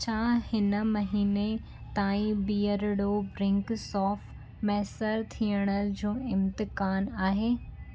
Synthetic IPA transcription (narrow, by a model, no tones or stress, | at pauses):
t͡ɕʰaːhɪnə̆mɐɦiːne | t̪aːĩbiːəɾɽobɾɪ̃ŋksɔːf | mɛɦsəɾt̪ʰiəɽ̃əlɪd͡ʑoːɪmt̪ɪkaːnaːɦeː